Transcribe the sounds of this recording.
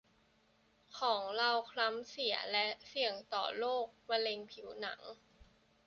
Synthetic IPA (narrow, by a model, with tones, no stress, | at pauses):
kʰɔː˩˦ŋla˧wkʰla˦˥msi˩˦ɐlɛ˦˥ʔsi˨˩əŋt̪ɔ̰ː˨˩loː˥˩k̚ma˧le˧ŋpʰi˨˩˦wna˩˦ŋ